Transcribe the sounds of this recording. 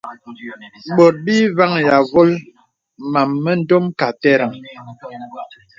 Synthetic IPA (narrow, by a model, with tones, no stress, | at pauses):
ɓo˨t̚bi˦va˦ŋja˨vo˦l | ma˨mːə˦n̩˦do˦mka˨tɛ˦ɾa˨ŋ